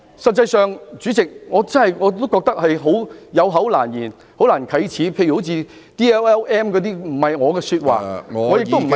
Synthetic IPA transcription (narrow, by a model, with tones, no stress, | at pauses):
sɐ˨t̚t͡sɐ˧jsœː˨ŋt͡syː˨˥t͡sɪ˨k̚ŋɔː˨˧t͡sɐ˥nhɐ˨jŋɔː˨˧t̪o˥wkɔː˧k̚t̪ɐ˥k̚hɐ˨jɦo˨˥wjɐ˨˧wɦɐ˨˥wlaː˨˩njiː˨˩n | ho˨˥wlaː˨˩nkʰɐ˨˥jt͡sʰiː˨˥pʰjy˨˩ho˨˥wt͡sʰiː˧ | t̪iː˥ɛ˥wɛː˥wʔɛː˥mkɔː˨˥t̪iː˥m̩˨˩hɐ˨jŋɔː˨˧kɛː˧syː˧t̚wa̰ː˨ŋŋɔ˨˧jɪ˨kt̪o˥m̩˨